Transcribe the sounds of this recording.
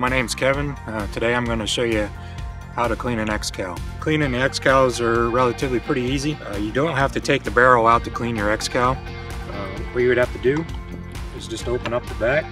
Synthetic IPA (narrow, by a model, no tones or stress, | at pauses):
maɪnẽɪ̃mz̥kʰɛvɨ̃ntʰɨdeɪãɪ̃mɡʌnɨʃoʊjɨ | haʊɾɨkʰl̥ĩñɨ̃nɛkskʰaʊkʰl̥ĩnɨ̃nɛkskʰaʊzə˞ɹɛlˠətɨvlipʰɹ̥ɪɾiizijɨdõʊ̃nt̚ɦæftɨtʰeɪk̚ðɨbɛɹl̩ˠaʊtʰɨkʰl̥ĩnjə˞ɛkskʰaʊ | wʌwiɨwɨɾ̚hæftɨdɨ | ɨzd͡ʒʌstoʊpə̃nʌp̚ðəbæk̚